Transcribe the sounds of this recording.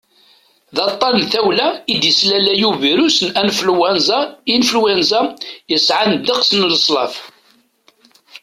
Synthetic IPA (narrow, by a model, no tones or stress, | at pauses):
ðɑt̪ˤːɑnnθæwlæid̪jəslælæjuviɾusənænflwænzæinfəlwænzæjəsʕand̪iqsənləsˤlɑf